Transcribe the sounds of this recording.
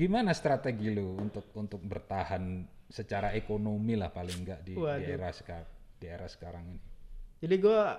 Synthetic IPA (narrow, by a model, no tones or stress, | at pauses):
ɡimanast̪ɾat̪eɡiluunt̪ʊk̚unt̪ʊk̚bərt̪ahansət͡ʃaɾaekonomila̰hpalɪŋɡaʔdiadieɾahsə̥kadieɾahsə̥kaɾaŋinid͡ʒadiɡua